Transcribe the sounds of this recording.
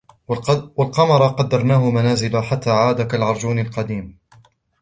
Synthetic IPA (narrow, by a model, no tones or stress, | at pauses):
walqɑmɑɾˤɑqɑd̪ːɑɾˤnaːɦʊmanaːzɪlaħat̪ːaːʕaːd̪akalʕɑɾˤd͡ʒuːnalqɑd̪iːm